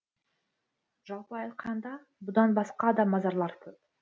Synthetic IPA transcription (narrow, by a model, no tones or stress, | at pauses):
ʒ̥ɑlˠpəɑjt̪qʰɑnd̪ɑ | bʊd̪ɑnbɑsqɑd̪ɑmɑzɑɾlˠɑɾt̪ʰɵp̚